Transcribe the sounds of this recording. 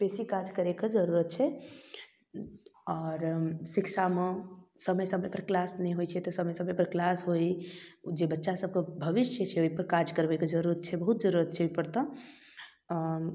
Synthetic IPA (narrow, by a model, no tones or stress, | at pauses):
pesikad͡ʒkəɾekad͡ʒəɾuɾət̪̚t͡ʃʰɛ | ɔːɾsɪkʃamẽsəməjsəməjpəɾklasnɛɦojt͡ʃʰɛt̪ɔsəməjsəməjpəɾklasɦoid͡ʒebətːʃasəb̚kebʱəʋɪst͡ʃʰjət͡ʃʰɛoipəɾkad͡ʒkəɾbekad͡ʒəɾuɾət̪t͡ʃʰɛbəɦut̪̚d͡ʒəɾuɾət̪̚t͡ʃʰɛoipəɾt̪ɔ